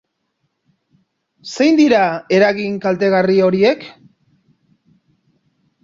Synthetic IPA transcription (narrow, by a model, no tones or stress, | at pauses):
se̞jnd̪iɾae̞ɾaɣiŋkalt̪e̞ɣ̞ario̞ɾie̞k